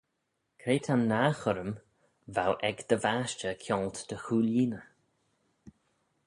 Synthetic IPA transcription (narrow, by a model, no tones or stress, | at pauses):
kʰɾeːt̪ʰanːaːxʊɾəm | vawʔɛɡd̪̥əvaʃt͡ʃəkʰjɔːlt̪d̪̥əxuːliːnə